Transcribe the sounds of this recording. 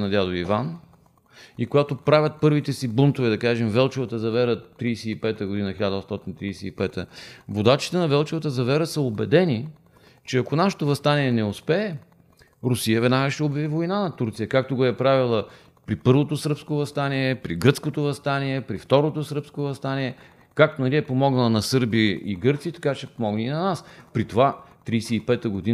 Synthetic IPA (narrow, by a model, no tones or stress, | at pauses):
nɐd̪jad̪oivan | ikoɡat̪opɾavʲjɐt̪̚pɤɾvit̪ɛsibont̪ovɛd̪ɐkaʒɛmvɛlˠt͡ʃɛvɐt̪əzɐvɛɾət̪ɾijsɛipɛt̪əɡod̪inəxiʎʲad̪əost̪ɔt̪int̪ɾiːsɛipɛt̪ə̰vod̪at͡ʃi̥t̪ɛnɐvɛlˠt͡ʃɛvɐt̪əzɐvɛɾəsəobɛd̪ɛni | t͡ʃɛɐkonaʃɛ̥t̪ovɐst̪anʲiɛnɛospɛː | ɾʊsijəvɛd̪naɡəʃɛobjɐvivojnanɐt̪uɾt̪sijəkak̚t̪oɡoɛpɾavilˠə | pɾipɤɾvot̪osɤɾpskovɐst̪aniɛpɾiɡɾət̪skot̪ovɐst̪aniɛpɾift̪ɔɾot̪osəɾpskovɐst̪aniɛ | kak̚t̪onɐliɛpomɔɡnəlˠənɐsɤɾbiʔiɡɤɾt̪siːt̪ɐ̥kat͡ʃɛpomɔɡniinɐnaspɾit̪ovat̪ɾijsɛipɛt̪əɡod̪i